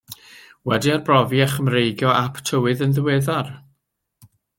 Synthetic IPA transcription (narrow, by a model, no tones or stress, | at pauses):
wɛdiarbrɔvjaχəmrejɡjɔʔapʰtʰəwɨðənðɪweðar